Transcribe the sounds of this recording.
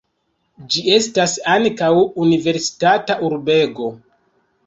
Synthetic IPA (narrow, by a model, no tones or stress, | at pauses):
d͡ʒie̞stasaŋkawunive̞ɾsi̥tataʔuɾbe̞ɡo̞